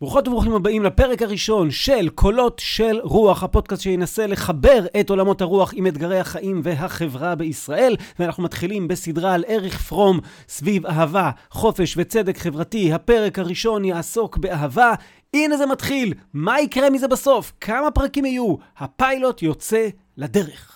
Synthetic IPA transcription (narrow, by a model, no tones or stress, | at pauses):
bʁuχo̞tabʁuχimhabaimlape̞ʁekhaʁiʃo̞nʃe̞lkʰo̞lo̞tʃe̞lʁuaχhapo̞d̚kastʃejenase̞leχabe̞ʁeto̞lamo̞thaʁuaχimetɡaʁehaχaʔimve̞ɦaχe̞vʁabe̞isʁaʔe̞lveanaχnumat̪χilimbe̞sidʁale̞ʁeχfʁo̞m | svivaɦava | χo̞fe̞ʃve̞t͡se̞dekχe̞vʁatihape̞ʁe̞khaʁiʃo̞njaːso̞kbe̞aɦava | inezematχilmaikʁe̞mize̞baso̞fkʰamapʁakimhajuhapajlo̞tjo̞t͡se̞ | ladeʁeχ